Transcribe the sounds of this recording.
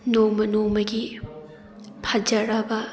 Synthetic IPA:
nowmɐnowmɐɡi | pʰɐd͡ʒɐɾɐbɐ

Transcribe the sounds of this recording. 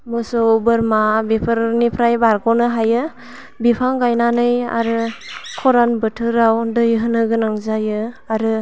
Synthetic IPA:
mɯsɔwbɯɾmabipʰɯɾnipʰɾajbaɾkɔnɯɦajɯ | bipʰaŋɡajnanɯja̰ɾɯkʰɔɾanbɯtʰɯɾawdɯjɦɯnɯɡɯnaŋzajɯaɾɯ

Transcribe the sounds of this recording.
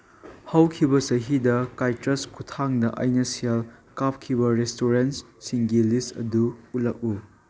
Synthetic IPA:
hɐwkʰibɐsɐɦidɐkajtɾɐskʰutʰaŋdɐʔɐjnɐsiɐlkap̚kʰibɐɾestoɾens | siŋɡilistɐ̰duut̚lɐk̚u

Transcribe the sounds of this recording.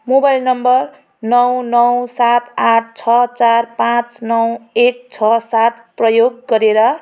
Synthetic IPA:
mobajlnʌmbʌr | nʌwnʌwsat̪aʈ̚ʰt͡sʰʌt͡sarpãt͡snʌwek̚t͡sʰʌsat̪prʌjoɡːʌɾeɾʌ

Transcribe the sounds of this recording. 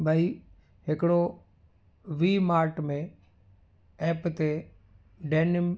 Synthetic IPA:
bʱaːiː | ɦɪkɽoː | ʋiːmaːɾʈmẽː | ɛːpt̪eː | ɖeːnɪm

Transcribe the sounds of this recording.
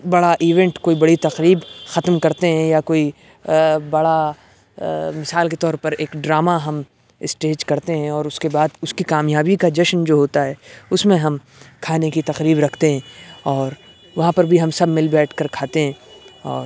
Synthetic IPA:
bɐɽaʔiːʋɛ̃ɳʈkoːibɐɽit̪ɐqɾiːbxɐt̪mkɐɾt̪eɦɛ̃jakoːi | bɐɽa | mɪsaːlket̪ɔːɾpɐɾeːkɖɾaːmaɦɐm | ɪsʈeːd͡ʒkɐɾt̪eɦɛ̃ɔːɾʊskebaːd̪ʊskikaːmjaːbikad͡ʒɐʃnd͡ʒoːɦoːt̪aɦɛːʊsmẽɦɐm | kʰaːnekit̪ɐqɾiːbɾɐkʰt̪eɦɛ̃ːɔːɾ | ʋɐɦãpɐɾbʱiɦɐmsɐbmːɪlbɛːʈʰkɐɾkʰaːt̪eɦɛ̃ːɔːɾ

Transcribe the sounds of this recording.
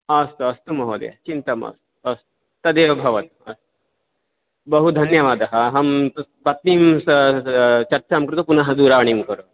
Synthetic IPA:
ɐst̪uɐst̪umɐɦoːd̪ɐ̰jɐ̰t͡ʃint̪ɐmɐ̰st̪u̥ɐst̪u̥ | t̪ɐd̪eːʋɐbʱɐʋɐt̪ɐ̰st̪u̥ | bɐɦud̪ʱɐnjɐʋaːd̪ɐɦɐ̆ɦɐmpɐt̪nimsɐt͡ʃɐɾt͡ʃamkɾut̪upunɐɦɐd̪uːɾaːʋɐɳimkɐɾu

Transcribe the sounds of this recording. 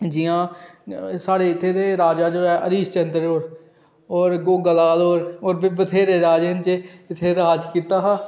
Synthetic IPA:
d͡ʒijãː | saːɽeːɪt̪ʰːeːt̪eːɾaːd͡ʒaːd͡ʒoːɛːʔəɾiːst͡ʃənd̪ɾəoːɾ | ɔːɾɡoːɡəlaːloːɾoːɾbət̪ʰeːɾeɾaːd͡ʒeːnt͡ʃeɪt̪ʰːeɾaːd͡ʒkiːt̪aːɦaː

